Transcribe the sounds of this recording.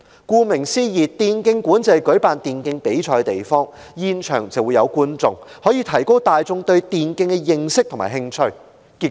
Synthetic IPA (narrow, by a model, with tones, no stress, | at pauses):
kuː˧mɪ˨˩ŋsiː˥jiː˨˩t̪iː˨nkɪ˧ŋkuː˨˥nt͡sɐ˧jkɵ˨˥ɥpaː˨nt̪iː˨nkɪ˧ŋpe˨˥jt͡ʃʰɔː˧jkɛ˧t̪e˨jfɔː˥ŋ | jiː˧nt͡ʃʰœ̰ː˨˩ŋt͡sɐ˨wu˨˧jɐ˧wkuː˥nt͡sʊ˧ŋ | hɔː˨˥jiː˧t̪ʰɐ˨˩jko˥wt̪aː˨jt͡sʊ˧ŋt̪ɵ˧ɥt̪iː˨nkɪ˧ŋkɛ˧jɪ˧ŋsɪ˥k̚t̪ʰʊ˨˩maː˨˩jɦɪ˧ŋt͡ʃʰɵ˥ɥ | ki˧